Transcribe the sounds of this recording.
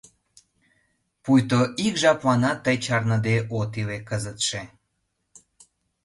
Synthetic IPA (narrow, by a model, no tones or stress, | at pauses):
pujt̪oʔikʒɑplɑnɑt̪ːəjt͡ɕɑrnəd̪eʔot̪ilekəzət̪ʃe